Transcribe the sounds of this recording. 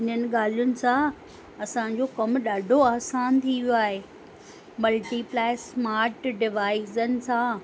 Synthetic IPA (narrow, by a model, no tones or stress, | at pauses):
ɪn̤ənɪ̆ɠaːl̤ijʊnɪ̆sã | ɐsãɲ̆d͡ʑokɐmɗaːɖʱoaːsaːnt̪ʰiʋjoaːɦeː | mɐlʈiplaːɪsmaːɾʈɖɪʋaːɪzənɪ̆sãː